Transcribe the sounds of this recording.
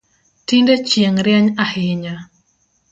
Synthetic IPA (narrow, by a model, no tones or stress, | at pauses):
tindet͡ʃjeŋɾjaɲahɪɲa